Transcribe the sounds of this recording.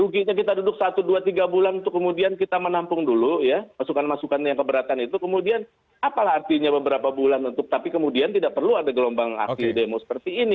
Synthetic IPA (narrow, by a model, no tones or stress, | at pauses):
ɾuɡiʔɲak̬it̪adudʊk̚sat̪uduat̪iɡabulanunt̪ʊkːəmudiankit̪amənampʊŋdulujamasukanmasukanjaŋkəbəɾat̪anit̪ukəmudian | apalahart̪iɲabəbəɾapabulanunt̪ʊk̚t̪apikəmudiant̪idaʔ̚pərluadaɡəlombaŋa̰kt̪idemosə̥pərt̪iːni